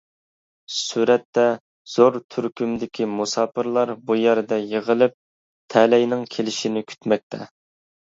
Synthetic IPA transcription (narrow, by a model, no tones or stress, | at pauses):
syɾɛt̪ːɛ | z̥oɾt̪ʰyɾkʲymd̪ɪkʲʰimusɑːpɨɾlˠɑɾbujæɾd̪ɛjeʁəlˠɪp̚ | t̪ʰɛlɛjnɪŋkʲʰelɪʃinɪkʲʰy̥t̪mɛk̚ʲt̪ʰɛ̰